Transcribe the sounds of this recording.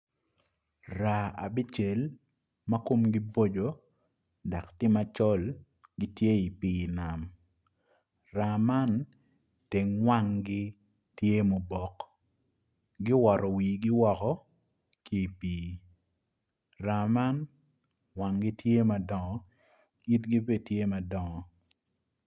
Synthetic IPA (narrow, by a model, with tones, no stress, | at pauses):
ra˨a̰˨bi˦t͡ʃe˨l | ma˦ko˦mɡɪ˦bo˦d͡ʒo˨ | da˨ktɪ˦ma˦t͡ʃɔ˦l | ɡɪ˦tje˦i˨piː˦na˨m | ra˨ma˦n | te˨ŋwa˦ŋɡɪ˦ | tje˦mo˨bɔ˨k | ɡɪ˦wɔ˨ɾɔ˨wiː˨ɡɪ˦wɔ˨kɔ˦ | ki˦˨piː˨ | ɾa˨ma˦n | wa˨ŋɡɪ˦tje˦ma˨dɔ˨ŋɔ˨ | i˦tɡi˦be˦˨tje˦ma˨dɔ˨ŋɔ˨